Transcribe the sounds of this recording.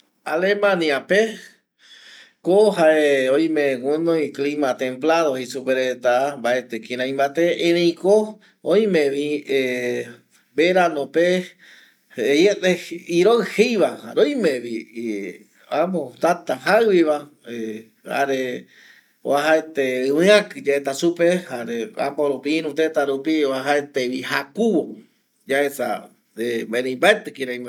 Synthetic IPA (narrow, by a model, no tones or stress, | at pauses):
alemãniape | koɦaeõj̃mẽwunõj̃klimãt̪ẽmplaðohesupeɾet̪ambaet̪ekĩɾ̃ãj̃mbat̪eʔẽnẽĩko | õj̃mẽβie | beɾanõpe | ejeʔeiɾohejβaha̰ɾoj̃mẽβi | amõt̪at̪aɦawiβa | e | ha̰ɾe | o̰aɦaet̪eɨwɨ̃ãkɨd͡ʒaet̪asupehaɾea̰poɾupĩɾũt̪et̪aɾupioaɦaet̪eβihakuwo | d͡ʒaesa̰ | ebeɾẽj̃mbaet̪ekiɾaj̃me